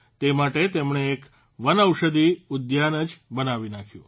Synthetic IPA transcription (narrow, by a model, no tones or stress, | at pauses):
t̪emaʈet̪emɳeːk | ʋənəwʃəd̪iʊd̪janəd͡ʒbənaʋinakʰjṵ̃